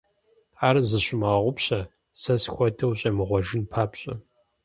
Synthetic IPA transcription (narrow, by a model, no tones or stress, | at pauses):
aːrzɨɕʊmaʁʷʊpɕɐ | sɐsxʷɔdʰɐwɕʼɐmɨʁʷɔʒɨnpʰaːpɕʼɐ̰